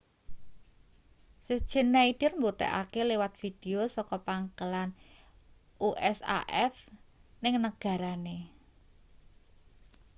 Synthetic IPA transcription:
səd̥ʒ̥ə̤nːaid̥ɪ̤rmbut̪ɛ̰ʔa̰kelewat̪̚fid̪̥e̤osɔkɔpaŋkəlan | ʔuʔɛsa̰ʔɛfnɪŋnəɡ̥a̤ɾane

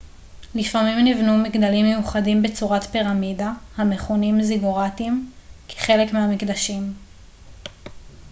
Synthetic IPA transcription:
lifamimnivnumiɡd̪alimːejuχadimbe̞t͡suʁatpiʁamidahame̞χonimziɡoʁatimkʰe̥χe̞lekmehamikd̪aʃim

